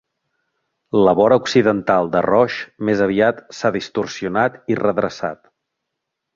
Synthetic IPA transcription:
ləβɔɾəuksiðənt̪alˠd̪ə̰rɔʃmezəβiat̪saðist̪ursiunat̪irəðɾəsa̰t̪

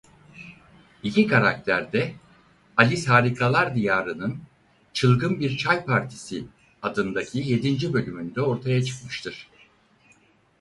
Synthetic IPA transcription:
icʲikʰaɾak̚t̪ʰæɾd̪ɛ | alʲishaːɾikʰalˠaɾd̪ijaːɾɯnɯn | t͡ʃʰɯlˠɡɯnbiɾt͡ʃʰajpʰaɾt̪ʰi̥si | ad̪ɯnd̪acʰije̞d̪ind͡ʒibø̞lʲymynd̪ɛo̞ɾt̪ʰajat͡ʃʰɯ̥kmɯʃt̪ʰɯɾ̥

